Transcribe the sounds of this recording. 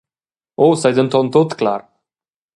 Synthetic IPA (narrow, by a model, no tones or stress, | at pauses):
owsajd̪ənt̪ʰɔnt̪ot̪ʰɨ̥kla̰ːɾ